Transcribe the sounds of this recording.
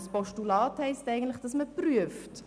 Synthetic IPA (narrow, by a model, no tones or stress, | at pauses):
spɔʃtulɑːthɛɪstɛɪɡən̩tlɪχd̥ɑsməpɾyəft